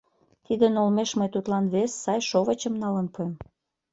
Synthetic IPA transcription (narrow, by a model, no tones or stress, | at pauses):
t̪id̪ənolmeʃməjt̪ut̪lɑnβesːɑjʃoβət͡ɕəmnɑlənpuem